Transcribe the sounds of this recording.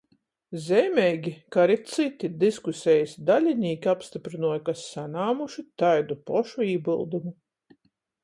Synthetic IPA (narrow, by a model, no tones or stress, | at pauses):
zɛjmʲɛjɡʲikaɾit̪sit̪id̪iskusʲɛjisd̪alʲiniːkʲiapst̪ipɾinuɔjkasːanaːmuʃit̪ajd̪upɔʃuiːbilˠd̪umu